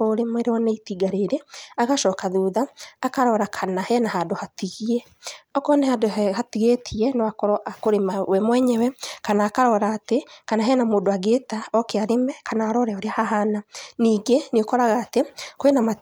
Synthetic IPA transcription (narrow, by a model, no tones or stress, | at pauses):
oɾemeɾɔneitiɡaɾeɾeaɣaʃɔːkaðuːðaːkaɾɔɾakʰanahɛnaɦadohatiɣiɛ | ɔkɔnɛhadoɛhatiɣetʰiɛnɔwakɔɾɔʔakoɾemawɛmwɛɲɛwɛkanaːkaɾɔɾaːtekanaɦɛnamoːdoaɣetaɔkeaɾemɛkanaːɾɔɾɛoɾeahaɦananiːɡeneokɔɾaɣaːtekoenama